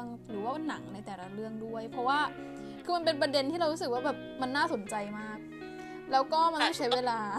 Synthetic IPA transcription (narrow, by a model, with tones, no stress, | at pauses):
ŋ | ɾɯː˩˦waː˥˩˧na˩˦ŋna˧jt̪ɛː˨˩la˧ɾɯ˥˩əŋdu˥˩əjpʰɾɔ˦˥waː˥˩ | kʰɯː˧ma˧np̬e˧npɾa˧de˧nt̪ʰiː˥˩ɾa˧wɾu˦˥sɯ˨˩k̚waː˥˩bɛː˨˩p̚ma˧nːaː˥˩so˨˩˦nt͡ɕa˧jmaː˥˩k̚ | lɛː˦˥wkɔː˥˩ma˧nmɔ˥˩t͡ɕʰa˦˥jweː˧laː˧